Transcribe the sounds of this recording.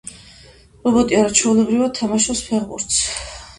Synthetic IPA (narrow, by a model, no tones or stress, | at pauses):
ɾɔbɔt̪ʼiaɾat͡ʃʰɛulɛbɾivad̪̚t̪ʰamaʃɔspʰɛʁbṵɾt̪s